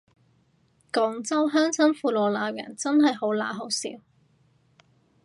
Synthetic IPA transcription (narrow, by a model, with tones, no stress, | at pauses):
kɔː˨ŋt͡sɐ˥wɦœː˥ŋt͡sʰɐ˥ŋfuː˨˧lɔː˨laː˨˧wɥɐ̰˨˩nt͡sɐ˥nɦɐ˨jho˨˥wla̰ː˨˧ɦo˨˥wsḭː˨˥w